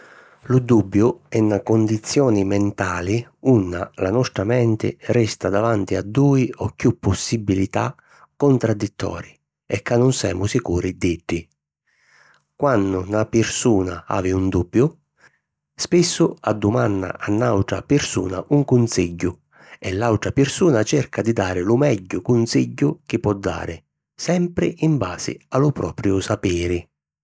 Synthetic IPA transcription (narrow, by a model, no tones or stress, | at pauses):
lud̪ubːjʊɛnːakʊnd̪it̪sːjɔːnimɛnt̪aːliunːa̰lanɔst̪ɾamɛnt̪ɪ̰rɛst̪ad̪avant̪iad̪ːuːiɔkːjupːʊsːibilit̪a̰ | kːʊnt̪ɾad̪ːit̪ʰːɔ̰ːɾi | ɛkːanːʊnsɛ̰ːmʊsikuːɾid̪iɖːi | kwanːʊnapɪɾsuːnaa̰ːvɪund̪ubːjʊ | spɪsːʊad̪ːʊmanːa̰ʔanːawʈ̪ɾa̰pɪrsṵːna̰ʔuŋkʊnsiɟːʊ | ɛlːawʈ̪ɾapɪrsuːnat͡ʃɛrkad̪id̪aːɾɪlʊmɛɟːʊkʊnsiɟːʊk̟ɪpːɔd̪ːa̰ːɾɪ | sɛmpɾɪʔimba̰ːsɪ̰alʊpɾɔːpɾjʊsapɛːɾɪ